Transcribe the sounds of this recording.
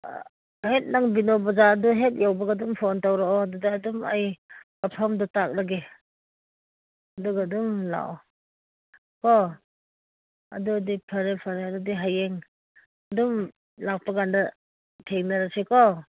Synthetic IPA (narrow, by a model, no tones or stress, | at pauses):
het̚naŋbinɔbazaːduɦet̚jawbaɡadumpʰɔntawɾaɔadudaːduma̰jkapʰamdɔtak̚laɡe | aduɡadumla̰ | kɔ | a̰dudipʰaɾepʰaɾeadudiɦajeŋ | adum | lak̚paɡanda | tʰeŋnaɾasekɔ